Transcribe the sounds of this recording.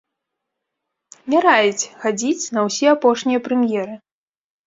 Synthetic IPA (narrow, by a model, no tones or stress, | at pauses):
mʲaɾajɛt͡sʲxad͡zʲit͡sʲnɐwsʲɛapɔʂnʲijɐpɾɛmʲjɛɾɨ